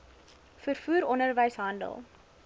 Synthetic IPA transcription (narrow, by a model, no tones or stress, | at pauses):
fərfuːɾɔndərvəjsɦɐndə̰lˠ